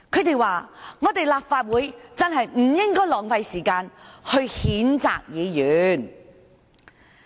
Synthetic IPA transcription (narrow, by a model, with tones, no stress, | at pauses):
kʰɵ˨˧˥t̪e˨jwaː˨˩ŋɔː˨˧t̪e˨jlaː˨p̚faː˧t̚wuː˨˥jt͡sɐ˧˥nɦɐ˨jm̩˨˩jɪ˥ŋkɔː˥jlɔː˨˩ŋfɐ˧jsiː˨˩kaː˧nhɵ˧ɥhiː˨˥nt͡sa̰ː˨k̚jiː˨˧jyː˨˥n